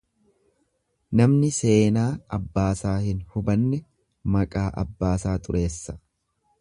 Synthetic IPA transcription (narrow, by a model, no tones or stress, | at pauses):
nɐmnɪse̞ːnaːɐbːaːsaːhɪnhʊbɐnːɛ | mɐkʼaːʔɐ̰bːaːsaːt̪ʼʊɾʔe̞ːsːɐ̥